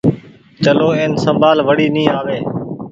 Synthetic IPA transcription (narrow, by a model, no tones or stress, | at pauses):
t͡ʃəloːẽːnsəmbʱaːlʋəɽiːnĩːaːʋeː